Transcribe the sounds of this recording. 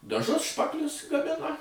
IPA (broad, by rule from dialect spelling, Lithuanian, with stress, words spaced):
dɐˈʒʊs ˈʃpɑːklʲʊs ɡɐˈmʲɪnɐ